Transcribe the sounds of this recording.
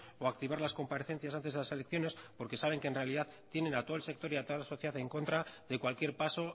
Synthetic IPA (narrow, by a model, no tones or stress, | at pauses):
oakt̪iβaɾlasko̞mpaɾeθe̞nθjas̬ant̪e̞zðelase̞le̞kθjo̞ne̞spo̞ɾke̞saβ̞e̞ŋkenre̞aliðaðt̪je̞nẽ̞nat̪olse̞k̚t̪o̞ɾiat̪o̞ðalaso̞θjeaθeŋko̞nt̪ɾaðe̞kwalkje̞ɾpaso̞